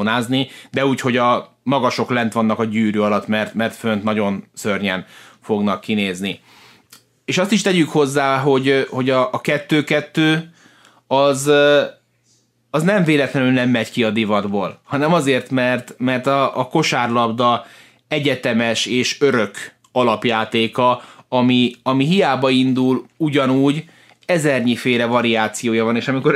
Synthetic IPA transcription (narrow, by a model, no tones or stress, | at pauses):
naːznid̪ɛuːcho̞ɟɒ | mɒɡɒʃo̞klɛnt̪ʋɒnːɒkɒɟyːɾyɒlɒt̪mɛrt̪mɛrt̪fø̞nt̪nɒɟo̞nsørɲɛnfo̞ɡnɒkːineːzni | eːʃɒst̪iʃt̪ɛɟykho̞zːaːɦo̞ɟho̞ɟɒːkɛt̪ːøːkɛt̪ːøː | ɒz | ɒznɛɱveːlɛt̪lɛnylnɛmːɛckiɒd̪ivɒd̪boːlhɒnɛmɒzeːrt̪mɛrt̪mɛrt̪ɒːko̞ʃaːrlɒbd̪ɒ | ɛɟɛt̪ɛmɛʃeːʃøɾø̞k | ɒlɒpjaːt̪eːkɒɒmiɒmiɦijaːbɒind̪uluɟɒnuːɟ | ɛzɛrɲifeːɾɛvɒɾiaːt̪sijoːjɒvɒneːʃɒmiko